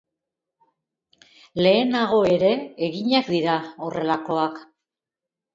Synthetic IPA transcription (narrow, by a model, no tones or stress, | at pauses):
le̞ːnaɣo̞e̞ɾe̞ːɣiɲakd̪iɾao̞re̞lako̞ak